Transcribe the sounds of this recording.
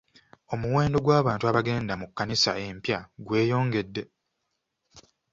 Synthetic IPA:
o̞muwe̞ːndo̞ɡwaːβaːntuaβaɡe̞ːndamukːanisae̞mpjaɡwe̞ːjo̞ːŋɡe̞dːe̞

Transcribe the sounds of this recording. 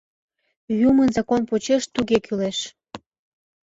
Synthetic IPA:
jumənzɑkonpot͡ɕeʃt̪uɣekʰyleʃ

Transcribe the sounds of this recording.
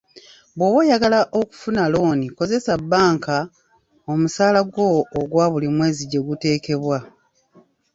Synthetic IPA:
bwoːβwe̞jaɡalaʔo̞ku̥funalo̞ːniko̞ze̞sabːaːŋka | o̞musaːlaɡwo̞ːɡwaːβulimwe̞ːziɟe̞ɡute̞ːke̞βwa

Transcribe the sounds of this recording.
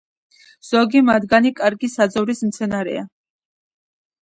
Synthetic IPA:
z̥ɔɡimad̪ɡanikʼaɾɡisad̪zɔvɾismt̪sʰɛnaɾɛ̰a

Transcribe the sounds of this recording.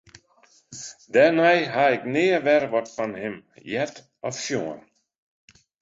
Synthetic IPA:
dɛrnɛjɦaɪknɪːəʋɛrʋɔtfanhɪmjɛt | ɔfʃjoən

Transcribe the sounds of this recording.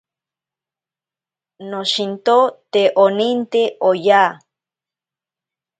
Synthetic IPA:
noʃint̪ot̪eʔonint̪eʔoja

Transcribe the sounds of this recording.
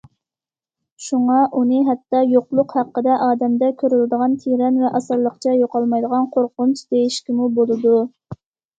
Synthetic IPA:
ʃuŋɑʔunɨɦɛt̪ːɑjoqlˠʊqhæqːəd̪ɛʔɑːd̪ɛmd̪ɛkʲʰøɾylɪd̪əʁɑnt̪ʰeɾɛnvɛʔɑsɨɾlˠəqt͡ʃʰɛjoqɑlˠmɑjd̪əʁɑnqʰoɾqʊnt͡ʃd̪ejiʃkʲimubolˠɨd̪u

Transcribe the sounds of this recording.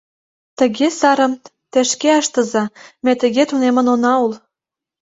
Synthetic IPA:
t̪ə̆ɣesɑɾə̆m | t̪ĕʃkeɑʃt̪ɤ̆zɑmet̪ə̆ɣet̪unemə̆nonɑul

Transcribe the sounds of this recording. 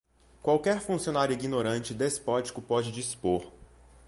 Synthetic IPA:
kwawkɛɾfũsionaɾjʊiɡinoɾɐ̃nt͡ʃɪd̪espɔt͡ʃi̥kʊpɔd͡ʒɪd͡ʒispoɾ

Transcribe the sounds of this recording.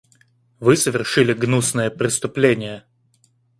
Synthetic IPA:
vɨsəvʲɪrʂɨlʲɪɡnusnəjəpɾʲɪst̪ʊplʲenʲɪjə

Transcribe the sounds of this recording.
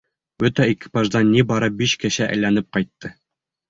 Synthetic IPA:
bɵt̪æiki̥pɑʒd̪ɑnːibɑɾɤp̚biɕkɘ̆ɕæʔæ̰̆jlænɘp̚qɑjt̪ːɤ

